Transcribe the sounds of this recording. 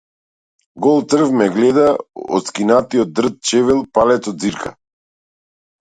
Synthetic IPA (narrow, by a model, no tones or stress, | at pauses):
ɡɔlˠt̪r̩vmɛɡlɛd̪aɔ̰t̪skinat̪iɔt̪̚d̪r̩t̪̚t͡ʃɛvɛlˠpalɛt̪sɔd̪̚ziɾkʰa̰